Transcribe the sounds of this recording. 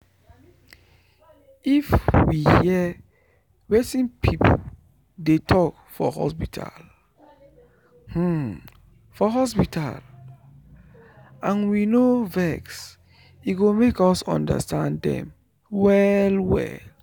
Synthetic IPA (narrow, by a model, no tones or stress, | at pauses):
ifwihiɛ | wetĩnpʰipʰo | detʰɔk | fɔhɔ̰spitʰa̰l | h̩ | fɔɦɔs̬pitʰa̰l | ãnwinovɛks | iɡomekɔsɔ̰̃ndə̰stʰãndɛ̰̃m | wɛlwɛ̰l